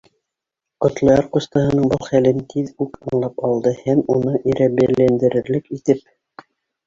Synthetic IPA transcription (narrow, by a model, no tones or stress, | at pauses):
qŏt̪lˠɤ̆jɑɾqust̪ɑhɤ̆nɤɴbɤlˠχælɘnt̪ʰiðʉkɤ̆ɴlˠɑpɑlˠd̪ɤhæmunɤʔiɾʔæbælænd̪ɘ̆ɾɘ̆ɾlɘkit̪ɘp̚